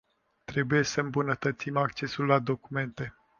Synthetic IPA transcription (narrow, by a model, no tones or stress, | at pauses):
t̪ɾe̞buje̞səɨmbunət̪ət̪simak̚t͡ʃe̞sulːad̪o̞kume̞nt̪e̞